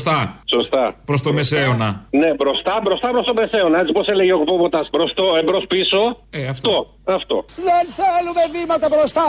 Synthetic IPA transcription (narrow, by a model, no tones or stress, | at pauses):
st̪ɐso̞st̪ɐpɾost̪omeseonɐne̞bɾo̞st̪ɐbɾost̪ɐpɾost̪omese̞onɐe̞t͡siposele̞ʝeokupopot̪ɐsbɾost̪oebɾospiso̞ | ft̪o̞ | ɐft̪oðenθelumevimɐt̪ɐbɾost̪ɐ